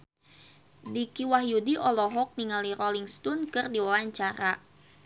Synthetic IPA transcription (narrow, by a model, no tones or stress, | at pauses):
dikiwaɦjudiʔɔlɔɦɔk̚niŋaliɾɔliŋst̪unkɨrdiwawaɲt͡ʃaɾa